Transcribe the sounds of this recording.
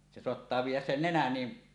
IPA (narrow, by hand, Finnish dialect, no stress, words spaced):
se soɑtːɑː ʋiːjˑæs sen nenæn ni